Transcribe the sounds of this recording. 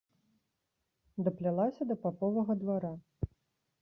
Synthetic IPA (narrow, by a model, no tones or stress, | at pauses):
d̪ɐplʲalˠasʲɐd̪ɐpapɔvɐɣɐd̪vaɾa